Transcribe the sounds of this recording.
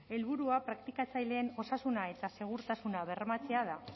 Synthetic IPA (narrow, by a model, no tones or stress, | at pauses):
e̞lβuɾuapɾakt̪ikat͡sajleːno̞sasunae̞t̪ase̞ɣ̞uɾt̪asunaβ̞e̞rmat͡se̞að̞a